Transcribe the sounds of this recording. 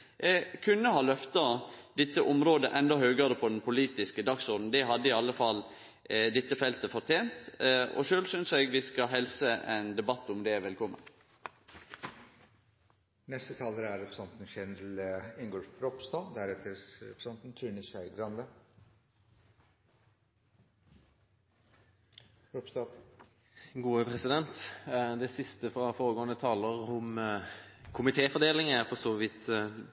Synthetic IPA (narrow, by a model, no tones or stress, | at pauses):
kʰʉnːəhɑːlœft̪ɑd̪̥ɛt̪ːəʔʊmɾoːd̪əʔɛnd̪ɔhøːɡəɾəpʰɔd̪ɛnpʰʊliːt̪ɪskəd̪ɑksɔɾd̪n̩d̪ɛɦɑd̪ːəiɑlːəfɑl | d̪ɛt̪ːəfɛlt̪əfɔɾʈ̪ʰeːnt̪ɔ̰ʃøːlsʏnsɛɡʋɪskɑɦɛlsəʔɛnd̪ɛbɑt̪ːʊmd̪ɛʋɛlkʰɔmːə̰n | nɛst̪ət̪ʰɑːləɾæɾɛpɾsɑnt̪n̩ʃɛnɾəlɪŋɡoːlfɾɔpst̪ɑːd̪æɾɛt̪ʰəɾɾɛ̰pɾəsɑnt̪nt̪ʰɾʉːnɪsœʏɡɾɑnd̪ə | ɾɔpsɑ | ɡuːəpʰʁɛsɪd̪ɛnt̪d̪ɛsɪst̪əfʁɑfoːɾəɡoːnət̪ʰɑːləʁʊm | kʰʊmɪt̪ʰeːfɔʁd̪eːlɪŋæʁfɔsɔːʋɪt̪ː